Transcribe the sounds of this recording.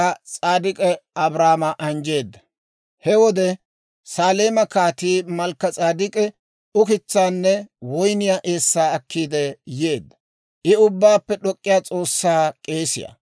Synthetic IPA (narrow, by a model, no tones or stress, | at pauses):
ɐt͡sʼaːd̪ɪkʼɛɐbɾaːmɐʔɐnd͡ʒe̞ːd̪ːɐ̥ | hɛwɔd̪ɛ | saːle̞ːmɐkaːt̪iːmɐlkːɐt͡sʼaːd̪ɪkʼɛ | ʊkɪt͡sːaːnːɛwɔjnɪjaːʔe̞ːsːaːɐkːiːd̪ɛjeːd̪ːɐ | ʔɪʊbːaːpːɛɗɔkʼːɪjaːt͡sʼo̞ːsːaːkʼe̞ːsɪ̰ja̰